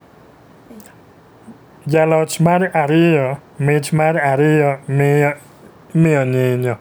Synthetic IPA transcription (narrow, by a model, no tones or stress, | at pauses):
jalɔt͡ʃmaɾaɾɪjɔmɪt͡ʃmaɾaɾɪjɔm | mɪɔɲɪɲɔ